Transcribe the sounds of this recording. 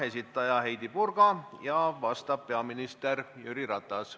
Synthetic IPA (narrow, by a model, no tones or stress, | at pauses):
esʲit̪ːˑɑjɑhejd̪ipurkɑjɑʋɑst̪ɑp̚pːeɑminist̪erjyɾirɑt̪ːˑɑs